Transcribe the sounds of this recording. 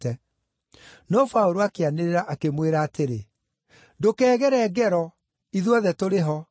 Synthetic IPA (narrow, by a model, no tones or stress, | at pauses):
ɛ | nɔfaoɾoakeaneɾeɾaʔakemweɾaːteɾe | dokɛːɣɛɾɛːɡɛɾɔ | iðwɔðɛtoɾeɦɔ